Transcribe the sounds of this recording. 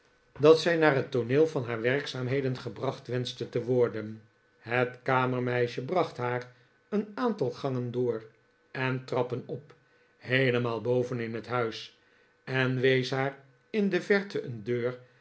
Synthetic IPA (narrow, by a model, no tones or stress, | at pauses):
dɑtsɛjnaːrɦətoneːlˠvɑnɦaːɹʋɛʁksaːmɦejdənχəbrɑχtʋɛnstətəʋɔɹdən | ɦətkaːməɹmɛjʃəbrɑχtɦaːr | ənaːntɑlˠχɑŋəndʊːr | ɛntrɑpənɔp | hɦejləmaːlˠbowvənɪnɦətɦœɥs | ɛnʋejsɦaːɹ | ɪndəvɛɹtəʔəndøːɹ